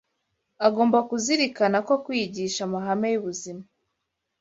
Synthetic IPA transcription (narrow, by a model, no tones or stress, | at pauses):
aɡo̞ːmbakuziɾikanako̞kwiːɟiːʃamaɦame̞juβuzima